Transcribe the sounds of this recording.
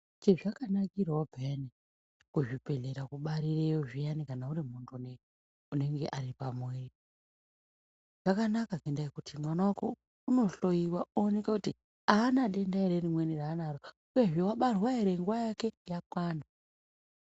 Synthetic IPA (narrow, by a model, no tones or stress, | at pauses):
t͡ʃeʐakanakiɾaobʱene | kuʐipeɮeɾakuɓaɾirejoʐijanikanauɾimuntʰuune | une̞ŋɡe̞̰ʔaɾipamweːri | ʐ̥akanakakendaikutʰimwanawako̞ | uno̞ɬo̞iwaoːnekakuti | aːnaɗe̞ndaeɾerimweniraːnaɾo | uje̞ʐewaɓarwaeɾeŋɡuwajake̞jakwaːnda